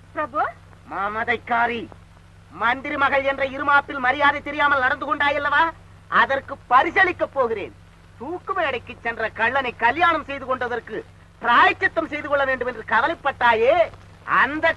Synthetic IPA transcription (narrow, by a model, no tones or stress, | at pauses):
pɾɐbo | maːmɐðɐɪkːaːɾi | mɐnd̪ɪɾimɐɣɐɭɛndrɐɪɾɯmaːpːɪlmɐɾɪjaːðɐt̪ːɛɾɪjaːmɐlnɐɽɐnd̪ɯkɔɳɖaːjɐlːɐʋaː | ʔɐðɐrkɯpːɐɾɪsɐlɪkːɐpːoːɣɪrḛːn | t̪uːkːɯmeːɐɽɐɪkːɯt͡ʃːɛndrɐkɐɭːɐnɐɪkːɐljaːɳɐmsɛjðɯkɔɳɖɐðɐrkɯ | pɾaːjɐt͡ʃːɐt̪ːɐmsɛjðɯkɔɭːɐʋeːɳɖɯmɛndrɯkɐʋɐlɐɪpːɐʈːaːjeː | ɐ̰nd̪ɐ